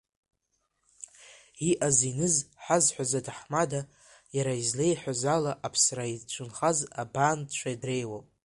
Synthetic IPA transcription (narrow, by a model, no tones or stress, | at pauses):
iʔazinɨzħazħʷazadʰaħmada | jaɾaizlejħʷᶣazalaʔapʰsrait͡ʃʷʰʊnχazabandt͡ʃʷʰaidre̞jwapʼ